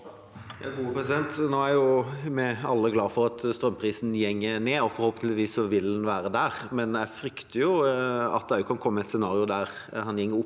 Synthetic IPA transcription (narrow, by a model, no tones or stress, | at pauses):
jɑ̰ːɡuːəpʰɾɛsɪd̪ɛnt̪noːæɾjʊmɛɑlːəɡlɑːfɔɾɑt̪st̪ɾœmpʰɾiːsn̩jɛŋːəneːɔfɔɾhoːpənlɪʋiːsɔʋɪlːɛnʋæːɾəd̪æːɾmɛnjæɪfɾʏkt̪əjʊɑ̰t̪̚d̪æʊkʰɑnkʰɔmːəɛt̪sɛnɑːɾɪʊd̪æɾ | hɑnjɛŋːəʊp